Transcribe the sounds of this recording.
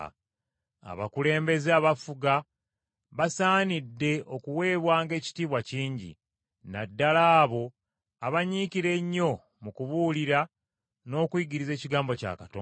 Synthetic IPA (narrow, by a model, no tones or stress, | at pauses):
a̰βa̰kule̞ːmbe̞zeaβafuɡa | βasaːnidːe̞o̞kuwe̞ːβwaːŋɡe̞ːci̥tiːβwaciːɲɟḭ | na̰dːalaːβo̞ | aβaɲiːkiɾe̞ɲːo̞ | mukuβuːliɾa | no̞ːkwiːɡiɾize̞ːciɡaːmbo̞ca̰katoː